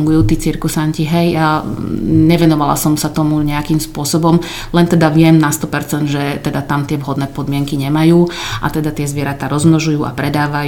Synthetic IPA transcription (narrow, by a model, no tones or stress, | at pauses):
ŋɡujuːt̪it͡siɾkusanciɦɛja | ɲɛʋɛnɔʋala̰sɔmsat̪ɔmuɲɛakimspʊɔsɔbɔm | lɛnt̪ɛd̪aʋɪɛmnast̪ɔpɛɾt͡sɛnd̪ʒɛt̪ɛd̪at̪amt̪ɪɛʋɦɔd̪nɛːpɔd̪mɪɛŋkiɲɛmajuːʔa̰t̪ɛd̪at̪ɪɛzʋɪɛɾat̪aɾɔzmnɔʒujuːʔa̰pɾɛd̪aːʋaj